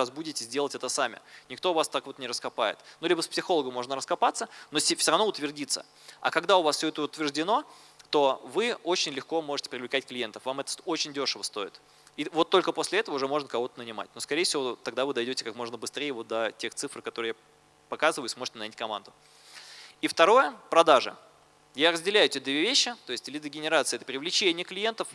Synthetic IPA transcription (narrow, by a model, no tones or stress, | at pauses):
ɐzbudʲɪtʲɪzʲdʲelˠətʲɛt̪əsamʲɪ̰nʲɪkt̪oʊvast̪akvo̞t̪nʲɪɾəskɐpajɪ̰t̪nolʲibəspsʲɪxo̞lˠəɡəmːo̞ʐnəɾəskɐpat̪sːənosʲfsʲoɾɐvnoʊt̪vʲɪrdʲit̪sə̰ | ɐ̰kɐɡd̪aʊvasfsʲɵɛt̪əʊt̪vʲɪrʐdʲɪno̞ | t̪o̞vɨot͡ɕɪnʲlʲɪxko̞mo̞ʐɨtʲɪ̥pɾʲɪvlʲɪkatʲklʲɪje̞nt̪əfvamɛt̪ə̥sot͡ɕɪnʲdʲo̞ʂəvəst̪o̞ɪt̪ | ivo̞t̪ːolʲkəposʲlʲɪɛt̪əvəʊʐɛmo̞ʐnəkɐvo̞t̪ənənʲɪma̰tʲno̞skɐɾʲejəfsʲɪvot̪ɐɡd̪avɨd̪ɐjdʲotʲɪ̥kakmo̞ʐnəbɨst̪ɾʲejəvo̞t̪̚d̪ətʲe̞xt̪sɨfrkɐt̪o̞ɾɨja | pɐkazɨvəjɪsmo̞ʐɨ̥tʲɪnɐjʲnʲitʲkɐma̰nd̪ʊ | ift̪ɐɾo̞jəpɾɐd̪aʐə̰ | jaɾəzʲdʲɪlʲæjʊtʲed̪vʲevʲeɕːɪt̪o̞ɪsʲtʲlʲid̪əɡʲɪnʲɪɾat̪sɨɪɛt̪əpɾʲɪvlʲɪt͡ɕenʲɪjəklʲɪje̞nt̪əf